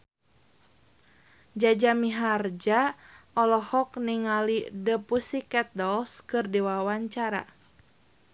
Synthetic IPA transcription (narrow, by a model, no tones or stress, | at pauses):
d͡ʒad͡ʒamiɦard͡ʒaʔɔlɔhɔkniŋalidəpusikɛt̪̚dɔlskɨrdiwawaɲt͡ʃaɾa̰